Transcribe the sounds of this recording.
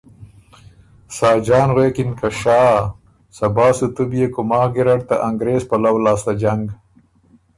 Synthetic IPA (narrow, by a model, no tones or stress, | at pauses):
sɑːd͡ʒɑːnɣweːkɪnkaʃɑː | sɐbɑːsut̪ubjekʊmɑːɡɪɾaɽ̚t̪a̰ʔaŋɡɾeːzpalawlaːst̪ad͡ʒaŋɡ